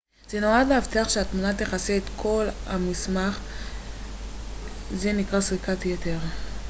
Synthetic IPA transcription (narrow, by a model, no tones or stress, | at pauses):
z̥enoad̪lehavteaχʃeatmunat̪̬eχaseːt̪kʰo̞lhamismaχ | zenikʁasʁikatjeteʁ